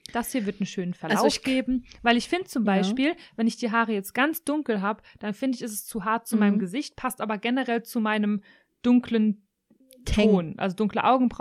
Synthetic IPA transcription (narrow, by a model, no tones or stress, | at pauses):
d̥ashiːɐvɪɐtn̩ʃøːnənfɛɐlaʊɡ̥eːbm̩vaɪlɪçfɪndət͡sʊmbaɪʃpiːlvɛnɪçd̥iːɦaːʁəjɛt͡st̚ɡ̥ant͡sd̥ʊŋkl̩ɦaːbəd̥anfɪndəɪçɛsɛ̥st͡suːɦaɐt̚t͡sumaɪnəmɡəzɪçt̚pʰastʔaːbɐɡɛnəʁɛlt͡sumaɪnəm | d̥ʊŋklən | tʰoːnʔa̰lzodʊŋkləʔaʊɡŋ̩bʁa